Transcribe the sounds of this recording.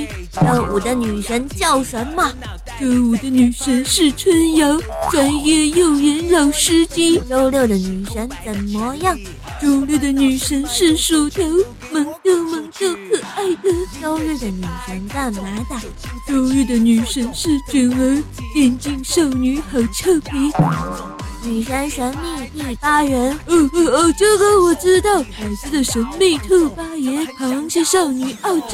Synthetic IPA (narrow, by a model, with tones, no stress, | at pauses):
ʈ͡ʂə˥˩u˨˩d̪ə˦ny˨˩ʂə˧˥nt͡ɕjɑ˥˩ʊʂə˧˥nmɐ˨ | ʈ͡ʂə˥˧wɔ˨˩d̪ə˧˦ny˨˩ʂə˧˥nʂɻ̩˥˧t͡sʰwə˥njɑ˧˥ʊʈ͡ʂwa˧˥njɛ˥˧jo˥˩ʊjɛ˧˥nlo˨˩ʊʂɻ̩˥t͡ɕi˥ʈ͡ʂo˥ʊljo˥˩ʊd̪ə˩ny˨˩ʂə˧˥nt͡sə˨˩nmɔ˧˥jɑ˥˩ŋ | ʈ͡ʂo˥ʊljd̪ə˩ny˨˩ʂə˧˥nʂɻ̩˥˩ʂu˨˩t̪o˧˥ʊ | mə˧˥ŋt̪o˥˧˩ʊmə˧˥ŋt̪o˥˧˩ʊkʰɤ˨˩a˥˩ɪd̪ə˨t͡ɕɑ˥ʊle˥˩ɪd̪ə˩ny˨˩ʂə˧˥nt̪a˥˩nna˧˥t̪a˨˩˦ | ʈ͡ʂo˥˧ʊle˥˩d̪ə˩ny˨˩ʂə˧˥nʂɻ̩˥˩t͡ɕi˨˩nwe˧˥ɪ | t̪jɛ˥˧nt͡ɕi˥˧ŋʂo˥˩ʊny˧˥xə˨˩ʈ͡ʂʰɤ˥˧pʰi˧˥ | ny˨˩ʂa˥nɕɛ˧˥nmi˥˧t̪i˥˧˩pa˥ɥɛ˧˥no˧˩˧o˧˩ʈ͡ʂɤ˥˧ɡə˨˧wɔ˨˩ʈ͡ʂɻ̩˥t̪ɑ˥˩ʊk̪ʰa˨˩ɪsɹ̩˧˥˩d̪ə˨˩ʂə˧˥ŋme˥˧ɪt̪ʰɤ˥˧pa˥jɛ˧˥nkʰɑ˨˩wɑ˥˧ŋɕi˥˧ʂɑ˥˩ʊny˨˩˦ʔɑ˥˧ʊʈ͡ʂ